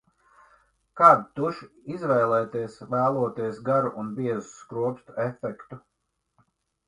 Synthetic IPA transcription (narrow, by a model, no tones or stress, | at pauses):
kaːd̪t̪uʃ | izvɛjlˠɛːt̪iɛsvæːlˠuɔt̪iɛsɡaɾuʔunbiɛzuskɾuɔpst̪efɛkt̪u